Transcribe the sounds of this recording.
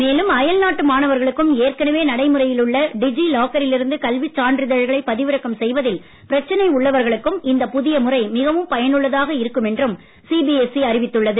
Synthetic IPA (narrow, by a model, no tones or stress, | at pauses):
meːlɯmɐjɐlnaːʈːɯmaːnɐʋɐɾɣɐɭɯkːɯmeːrkɐnɐʋeːnɐɽɐɪmɯrɐjɪlɯɭːɐɖɪd͡ʒiloːkɐɾɪlɪɾɯnd̪ɯkɐlʋɪt͡ʃːaːɳdrɪðɐɻɣɐɭɐɪpɐðɪʋɯɾɐkːɐmsɛjʋɐðɪl | pɪɾɐt͡ʃːɐnɐɪʊɭːɐʋɐɾɣɐɭɯkːɯmɪnd̪ɐpʊðɪjɐmɯrɐɪmɪɣɐʋɯmpɐjɐnɯɭːɐðaːɣɐɪɾɯkːɯmɛndrɯm | siːbiɛsiɐrɪʋɪt̪ːɯɭːɐðɯ